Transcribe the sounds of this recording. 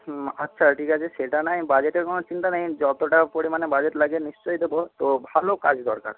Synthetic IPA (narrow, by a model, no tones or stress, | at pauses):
ətːʃʰaʈʰikat͡ɕʰeseʈanajbad͡ʑeʈeɾkonot͡ɕint̪anajd͡ʑɔt̪oʈapoɽimanebad͡ʑeʈlaɡenist͡ɕɔjd̪ebot̪obʱalokad͡ʑd̪ɔɾka̰ɾ